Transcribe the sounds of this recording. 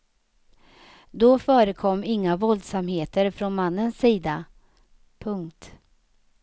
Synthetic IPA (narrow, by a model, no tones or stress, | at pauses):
d̪ɔfœːɾəkʰɔmːɪŋːavɔld̪samheːt̪əɾfɾɔnmanːənsːiːd̪a | pʰɵŋkt̪